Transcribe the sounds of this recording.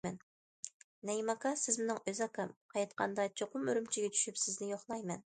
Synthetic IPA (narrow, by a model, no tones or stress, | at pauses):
ɛn | nɛjmɑkɑsɪzmɪnɪŋʔøzɑkʰɑmqʰɑjɑt̪qʰɑ̰nd̪ɑt͡ʃʰoqʊmøɾymt͡ʃʰiɡʲɛt͡ʃʰy̥ʃypsɪznɪjoχlˠɑjmɛn